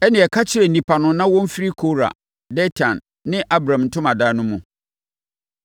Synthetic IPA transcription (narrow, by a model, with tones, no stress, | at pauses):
ɛ˦nɪ̃˨ɛ˨kʰa˦t͡ɕʰɪ˦ɾɛ˨nĩ˨pʰa˨nʊ̃˨nã˦wɔ̃˦m˦fɪ˦ɾi˦kʰo˦ɾa̰˨ | dɛ˦tʰã˨n | nɪ̃˦ʔa˦bɾã˨mn̩˨tʰʊ̃˦ma˨daː˦nʊ̃˦mũ˨